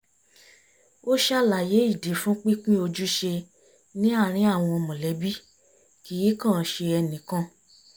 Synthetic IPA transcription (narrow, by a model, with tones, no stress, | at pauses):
o˦ʃa˦la˨je˨˦i˦˨di˨˦fũ˦k͡pi˦k͡pĩ˦o˧d͡ʒu˦ʃe˧ | nĩ˦a˦˨ɾ̃ĩ˨˦a˦˨w̃ɔ̃˧ɔ˧mɔ̃˨lɛ˨˦bi˦ | ki˨ji˨˦kã˦˨˦ʃe˧ɛ˧nĩ˨kã˧